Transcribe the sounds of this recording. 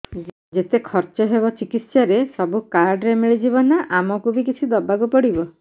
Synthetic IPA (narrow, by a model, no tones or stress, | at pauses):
d͡ʒet̪ekʰɔɾt͡ʃɔɦebɔt͡ʃikit̪sɔɾesɔbukaɾɖɾemiɭid͡ʒibɔnaʔamɔkubikit͡ʃʰid̪ɔbaɡupɔɽibɔ